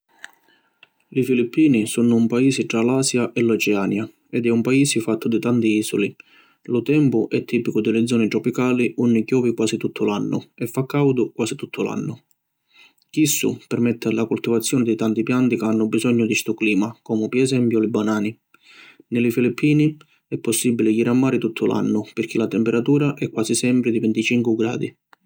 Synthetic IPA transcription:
lifilipʰːiːnisunʊːmpaiːsɪʈ̪ɾalaːsjaʔɛlɔt͡ʃɛaːnja | ɛd̪ɛumpaiːsifat̪ʰːʊd̪ɪt̪ant̪iiːsʊ̰li | lʊt̪ɛmpʊʔɛt̪ʰːiːpikʊd̪ɪlɪd̪zɔːnɪt̪ɾɔpikaːliʔunːɪkjɔːvikwaːsit̪ut̪ʰːʊlanːʊɛfːakːawd̪ʊkwaːsit̪ut̪ʰːʊlʔa̰nːʊ | kisːʊ̰pɛrmɛt̪ʰːalakult̪ivat̪sːjɔːnɪd̪ɪt̪ant̪ipjant̪ikeanːʊbizɔɲːʊd̪ist̪ʊkliːmakɔːmʊpiɛsɛmpjʊlɪbanaːni | nɪlɪfilipʰːiːni | ɛpːɔsːibːilɪʎiɾamːaːɾɪt̪ut̪ʰːʊlʔa̰nːʊpɪrk̟ʰilat̪ɛmpɛɾat̪uːɾaʔɛkːwaːsisɛmpɾɪd̪ivɪnt̪it͡ʃiŋkʊɡɾa̰ːd̪i

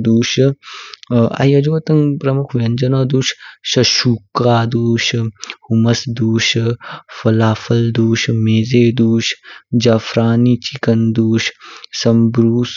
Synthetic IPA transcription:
d̪uːʃ | ɐ̰jɐd͡ʒoːɐt̪ɐŋpɾɐmukʰʋjɐnd͡ʒɐnoːd̪uːʃʃɐʃuːkaːd̪uːʃhumɐsd̪uːʃfɐlaːfʰɐld̪uːʃmeːzeːd̪uːʃd͡ʒafɾaːnit͡ʃikɐnd̪uːʃsɐmbɾuːs

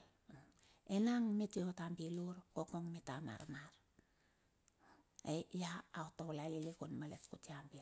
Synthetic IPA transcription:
enaŋmitiotambiluɾkokoŋmitama̰ɾmaɾ | ejaːotawlalilikunmaletkutiambi

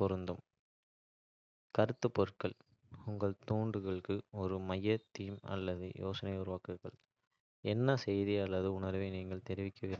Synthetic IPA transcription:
pɔɾɯnd̪ɯm | kɐɾɯt̪ːɯpːɔɾɯkɐɭ | ʊŋɡɐɭt̪uːɳɖɯɣɐɭɯkːɯɔɾɯmɐjːɐt̪ːiːmɐ̰lːɐðɯ̰jʔoːsɐnɐɪʊɾʊʋaːkɯɾɣɐ̰ɭ | ɛnːɐsɛjðiɐlːɐðɯʊnɐɾʋeːniːŋɡɐɭt̪ɛɾɪʋɪkːɐʋɪːɾ

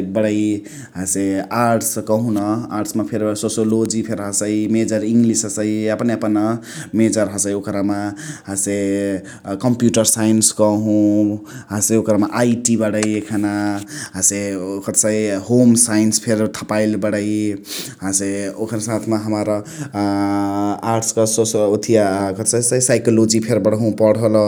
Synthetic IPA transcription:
bəɽəj | ɦãseaɾʈskəɦũnʌaɾʈsmapʰeɾsosolod͡ʒipʰeɾɦəsəimed͡ʒəɾiŋɡlisəsəiəpneəpənʌ | med͡ʒəɾɦasəiokɾamaɦase | kəmpjuʈəɾsajnskɔɦũɦãseokɾamaʔajʈibaɽʌjekʰanaɦãsekʌt̪sajhomsajinspʰeɾt̪ʰḁpajlbʌɽʌjɦãseokʰɾsãt̪ʰmaɦʌmaɾʌ | aɾʈskʌsosot̪ʰiakʌt̪sajsajsajkolod͡zipʰeɾbʌɽɦũpʌɽɦol

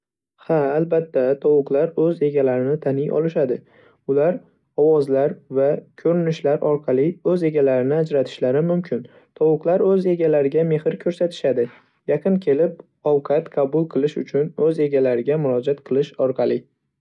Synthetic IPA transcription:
haːlbat̪ʰːat̪ʰɒwʊqlˠaɾɵze̞ɡʲalaɾɪnɪt̪ʰanɪjʔɒ̰lˠɪʃad̪ɪ | ʊlaɾ | ɒwɒzlaɾvakʲʰɵɾɪnɪʃlaɾɒɾqʰɑlˠɪɵze̞ɡʲalaɾɪnɪad͡ʒɾat̪ʰɪ̥ʃlaɾɪmʊmkʲʰɪn | t̪ʰɒwʊqlˠaɾɵze̞ɡʲalaɾɪɡʲame̞hɪɾkʲʰɵɾsat̪ʰɪ̥ʃad̪ɪ | jaqʰɨnkʲʰe̞lɪp | ɒwqʰɑt̪qʰɑbʊlˠqʰɨlˠɪʃʊ̰t͡ʃʰʊnɵze̞ɡʲalaɾɪɡʲamʊɾɒd͡ʒat̪qʰɨlˠɪʃɒɾqʰɑlˠɪ

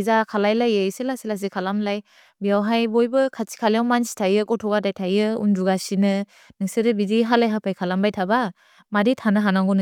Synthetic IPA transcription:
zakʰalajlajɯselasilas̬ikʰalamlaj | bijawɦajbɔjbɯkʰasi̥kʰalijawmansi̥tʰajɯkɔtʰɔɡadajtʰajɯṵnduɡasinɯ | nɯŋsɯdɯbidiɦalajɦapʰajkʰalambajtʰaba | maditʰanɯɦanaŋɡɔnɯ

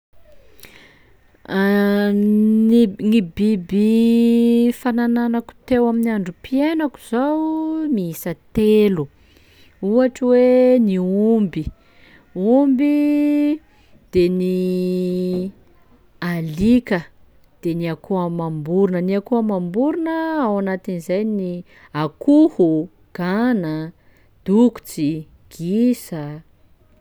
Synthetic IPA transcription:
ninibibi | fanananaku̥t̪ewaminiaɳɖ͡ʐupienaku̥z̥awmiisət̪elu | uaʈ͡ʂweniumbi | umbi | d̪̥eni | alikə | d̪̥eniakuamambuɾunəniakuamambuɾunəawanat̪inizajni | akuhu | ɡ̥anə | d̪̥uku̥t͡si | ɡ̥isə

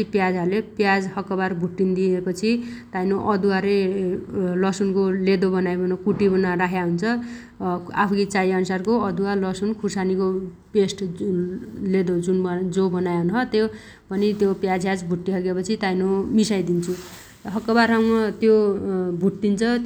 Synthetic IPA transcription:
ipjad͡zɦarlepjad͡zhʌkːʌbarbʱuʈːind̪iepʌt͡sʰit̪ajnoʔʌd̪uaɾe | lʌsunkoled̪obʌnajbʌnokuʈibʌnaraɦʰjaɦunt͡sʰʌ | a̰pʰukit͡sajʌnusarkoʌd̪ualʌsunkʰusaniko | pesʈ | led̪od͡zunbd͡zobʌnajɦnɦʌt̪jo | pʌnit̪jopjad͡zʱɦjad͡zbʱuʈːiɦʌɡepʌt͡sʰit̪ajnomisajd̪int͡sʰu | ɦʌkːʌbarɦawmʌt̪jobʱuʈ̚d̪int͡sʰʌ

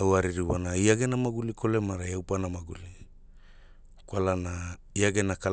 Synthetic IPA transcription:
awaɾiɾiwanaiaɡenamaɡulikʰolemaɾajawpanamaɡuli | kwalanaiaɡenaka

